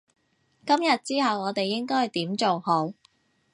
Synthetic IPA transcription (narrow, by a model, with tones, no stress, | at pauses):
kɐ˥mjɐ˨t̚t͡siː˥ɦɐ˨wɔː˨˧t̪e˨jːɪ˥ŋkɔː˥jɐ˨˩jt̪iː˨˥mt͡so˨who˨˥w